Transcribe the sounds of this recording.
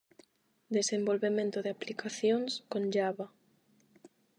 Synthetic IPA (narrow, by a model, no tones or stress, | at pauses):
d̪esembolβemẽnt̪oðeaplikaθjoŋskõnd͡ʒaβa